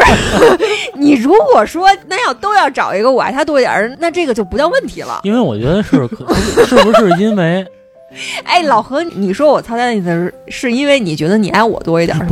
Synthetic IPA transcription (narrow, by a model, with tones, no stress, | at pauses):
ni˨˩ɻu˧˥kwɔ˨˩ʂwɔ˥na˥˩jɑ˥˩ʊt̪o˥ʊjɑ˥˩ʊʈ͡ʂɑ˨˩ʊi˧˥ɡə˧wa̰˧˥ɪt̪ʰa˥t̪wɔ˥i˥t̪jɑ̰˨˩na˥˧ʈ͡ʂɤ˥˩ɡə˩t͡ɕjo˥˩ʊpu˧˥t̪ɑ˥˧ʊwə˥˩nt̪ʰi˧˥lə̰˧i˥nwe˥˩ɪwɔ̰˨˩t͡ɕɥɛ̰˧˥d̪ə˧ʂɻ̩ʰ˥˩˧ʂɻ̩˥˩u˧ʂɻ̩˥˩i˥nme˧˥ɪ | ḛ˥˩ɪlɑ˨˩ʊxɤ˧˥ni˨˧˩ni˨˩ʂwɔ˥wɔ˨˩t͡sʰt͡sn˥˩˥ə˩˧˥ʂɻ̩˥˧i˥nwe˥˩ɪni˨˩t͡ɕɥɛ˧˥d̪ə˧ni˨˩a˧˥ɪwɔ̰˨˩t̪wɔ˥i˧˩t̪j̰ɑ̰˨˩˧